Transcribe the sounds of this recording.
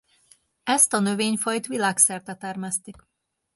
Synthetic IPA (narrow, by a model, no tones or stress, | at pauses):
ɛst̪ɒnø̞veːɲfɒjt̪ʋilaːksɛrt̪ɛt̪ɛrmɛst̪ik